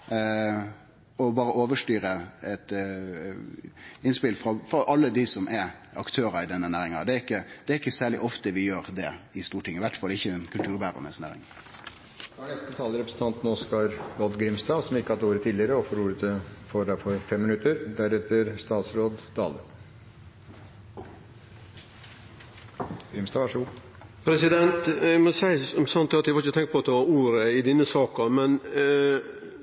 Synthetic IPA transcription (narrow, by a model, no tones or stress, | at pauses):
ɔbɑːɾəʔoːʋəʂʈyːɾəɛt̪ | ɪnspɪlfɾɑfɾɑʔɑlːəd̪ɪsɔmʔɛɑ̰kt̪ʰøːɾɑɪd̪ɛnːənæːɾɪŋɑ̰d̪ɛæɾɪkːəd̪̥ɛæɾɪkːəsæːɭɪ̰ʔɔft̪əʋɪjøːɾd̪ɛɪst̪uːʈʰɪŋːəʋæʈfɑlːɛɪçːəɛnkʰʉlt̪ʰʉːɾbæːɾə̰nə̰snæ̰ːɾɪ̰ŋ | d̪æɳɛst̪ət̪ʰɑːləɾɛpɾəsən̩t̪ʰɑnt̪nɔskɑɾɔd̪ɡɾɪmst̪ɑːsɔmɪkːəhɑd̪əuːɾət̪ʰiːd̪lɪəɾəɔfɔɾuːɾət̪ʰɪfɔɖ̪æfɔɾfɛmːɪnʉt̪əɾd̪æɾɛt̪ːəɾst̪ɑːt̪sɾoːd̪d̪ɑ̰ːlə | ɡɾɪmst̪ɑːʋɑʂəɡuː | pʰɾɛsɪd̪ɛnt̪ɛmɔsæɪsɔmsɑnt̪ːɛɑt̪ʋɪhɑɾɪçət̪ʰɛŋk̪t̪̚pɔɑt̪d̪ɛʋɑuːɾəɪd̪ɪnːəsɑːkɑmɛn